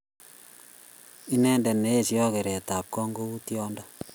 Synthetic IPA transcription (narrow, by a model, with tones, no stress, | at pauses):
i˦nɛ˦ndɛ˨ne˦e˦˨sjɔ˦ke˨ɾɛ˨ta˨p̚kɔ˦ŋɡo˦u˦tjɔ˦ndɔ˦